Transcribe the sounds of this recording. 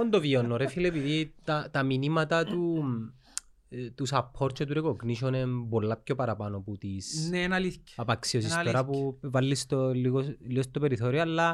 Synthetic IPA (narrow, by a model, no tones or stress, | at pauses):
ond̪ovionːoɾefilepiðit̪ɐt̪ɐminimɐt̪ɐt̪u | t̪usɐpʰːoɾt͡ʃʰot̪uɾikokniʃ̬onembolːap̚çopɐɾɐpanoput̪isnenɐlicɐpɐksios̬ispeɾapuvalːist̪oiolist̪opeɾiθoɾioɐlːɐ